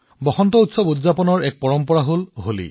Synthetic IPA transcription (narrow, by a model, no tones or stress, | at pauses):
bɔhɔnt̪ɔutsɔbudzapɔnɔɹɛk̚pɔɹɔmpɔɹaɦolɦolḭ